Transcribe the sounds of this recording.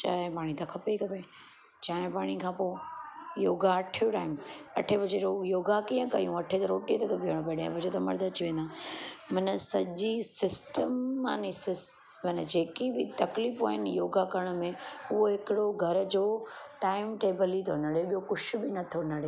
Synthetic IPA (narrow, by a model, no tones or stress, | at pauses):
t͡ɕaːɦɪ̃paːɽ̃it̪ɐkʰɐpekɐpe | t͡ɕaːɦɪ̃paːɽ̃ikʰãːpoːjoːɡaɐʈʰjoʈaːɪmɐʈʰebɪd͡ʑeɾojoːɡakijə̃kɐ̰jũɐʈʰet̪ɐɾoːʈit̪ʰet̪ʰobʱiəɽ̃p̬ɐeɗḛ̃bɐd͡ʑot̪ɐmɐ̰ɾd̪əɐt͡ɕiʋẽːnd̪aːmɐnəsɐʄisɪsʈəmːaːnisɪs | mɐnd͡ʑeːkibɪt̪ɐkliːfa̰ːɦɪnjoːɡakɐɾəɽ̃ʊmẽʊɦoɦɪkɪɽoɡʱɐɾd͡ʑoːʈaːɪmʈeːbəlit̪ʰonɐɽeɓijokʊʃʰʊ̆bɪnɐt̪ʰonɐɽeː